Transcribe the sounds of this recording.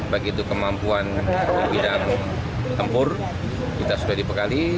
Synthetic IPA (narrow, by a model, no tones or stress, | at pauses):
baɡit̪ukəmampuanbidaŋ | t̪əmpʊr | kit̪asudahdipəkali